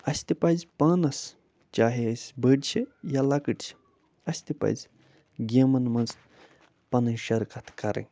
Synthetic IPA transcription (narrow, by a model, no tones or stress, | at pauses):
ɐsʲt̪ipɐzʲpɐnɐs | t͡ʃaːɦeɐsʲbəɖt͡ʃʰijalɐkɨʈt͡ʃʰi̥ | ɐsʲt̪ipɐ̰jzʲ | ɡʲeːmɐnmɐ̃nz | pɐnɨʃɐɾkɐt̪ʰkɐɾḛ̃